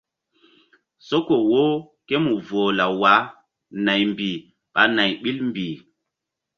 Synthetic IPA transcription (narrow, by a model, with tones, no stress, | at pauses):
so˦ko˨wo˦ | ke˦mu˨vo˨la˨wa˨˦ | na˨jmbi˨ | ɓa˨na˨jɓi˦lmbi˨